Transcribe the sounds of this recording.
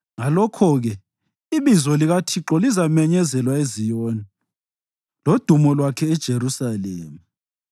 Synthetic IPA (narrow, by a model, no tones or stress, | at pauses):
ŋalɔkʰɔɣɛ | iβizɔliɣatʰiǁɔlizamɛɲɛzɛlwaezijɔni | lod̥ʱumɔlwakʰɛːd̥ʒ̥ʱeɾusaleːmu